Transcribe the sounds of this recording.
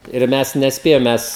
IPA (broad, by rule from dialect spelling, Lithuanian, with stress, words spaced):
ɪr ˈmʲɛs nʲɛsʲˈpʲeːjɛm ˈmʲɛs